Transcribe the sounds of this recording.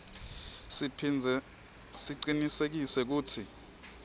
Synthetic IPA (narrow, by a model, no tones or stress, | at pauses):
siǀinisek̬isɛk̬uːtʰi